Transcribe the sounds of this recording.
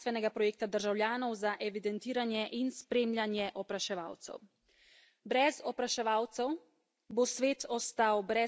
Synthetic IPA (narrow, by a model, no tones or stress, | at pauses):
t̪ʋɛnɛɡapɾɔjeːk̚t̪ad̪əɾʒawljaːnɔwzaʔɛʋid̪ɛnt̪iːɾanjɛʔinspɾeːmlʲjanjɛʔɔpɾaʃɛʋa̰ːwt̪sɛ̰w | bɾɛzɔpɾaʃɛʋaːwt̪sɛw | bosʋeːt̪ʰɔst̪awbɾɛ